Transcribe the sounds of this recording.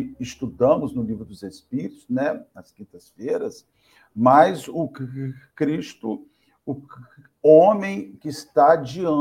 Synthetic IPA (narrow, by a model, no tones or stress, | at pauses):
ɪst̪ud̪ɐ̃mʊznʊlivɾʊd̪ʊzespiɾit̪ʊznɛnɐskĩnt̪ɐsfeɾɐs | mɐjzʊkɾist̪ʊ | ʊ | õmẽj̃kɪst̪ad͡ʒiɐ̃